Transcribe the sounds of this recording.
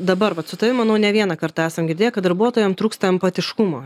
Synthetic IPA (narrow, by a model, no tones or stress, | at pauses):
d̪ɐbɐɾʋɐt̪sʊt̪ɐʋʲɪmɐnɐʊnʲɛʋʲiɛnɐkɐɾt̪ɑːæːsɐmɡʲɪɾʲdʲeːjɛkɐt̪d̪ɐɾbuɔt̪oːjɛmt̪ɾuːkst̪ɐɛmpɐt̪ʲɪʃkʊmoː